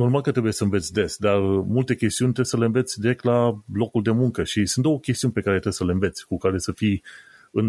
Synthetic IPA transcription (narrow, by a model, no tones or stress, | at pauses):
no̞rmalkət̪ɾe̞buje̞səɨnve̞t̪sʲd̪e̞sd̪armult̪e̞kʲe̞st̪iunʲt̪ɾe̞bsəleɨnve̞t̪sʲd̪iɾe̞k̚t̪lalo̞kuld̪e̞muŋkəʃisũnt̪d̪o̞okʲest̪iunʲpe̞kaɾet̪ɾe̞bsəleɨnve̞t̪sʲkukaɾe̞səfij | ɨn